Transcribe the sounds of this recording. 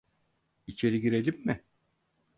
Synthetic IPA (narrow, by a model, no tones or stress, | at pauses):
it͡ʃʰe̞ɾiɡiɾe̞lʲimːɪ